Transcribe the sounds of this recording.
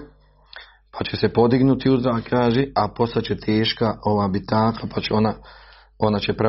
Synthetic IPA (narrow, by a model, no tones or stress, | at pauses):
pʰat͡ɕese̞po̞d̪iɡnut̪iuzɾaːkʰaːʒeʔapo̞st̪at͡ɕet̪ʰeːʃkao̞ʋaːbit̪aːkʰapat͡ɕeona | o̞nat͡ɕepɾe